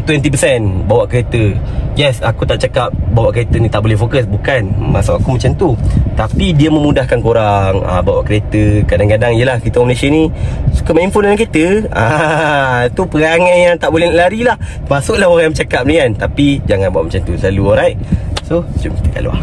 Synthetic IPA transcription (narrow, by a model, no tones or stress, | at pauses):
t̪wɛnt̪ipəsɛnbawaʔkəɾet̪əjɛsakut̪aʔt͡ʃakap̚bawaʔkəɾet̪ənit̪aʔbolɛhfokəs̬bukanmasaʔakumat͡ʃamt̪ut̪apidiəmə̃mudahkankoɾaŋa̰bawa̰ʔkəɾet̪əkadaŋkadaŋijəlahkit̪əmnasənĩsu̥kəmaimfunankit̪əa | t̪upəɣaŋanjaŋt̪aʔbolɛʔlaɾilah | əmasʊʔlahoɾajãmət͡ʃakap̚nikant̪apid͡ʒaŋanbua̰ʔmat͡ʃant̪usəlaluoɾajʔsot͡ʃumki̥t̪əka̰lo̰a̰h